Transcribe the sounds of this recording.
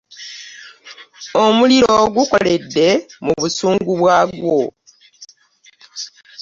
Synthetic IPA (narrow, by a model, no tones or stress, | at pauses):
omuliɾoɡuko̞le̞dːe̞muβusuːŋɡuβwaːɡwo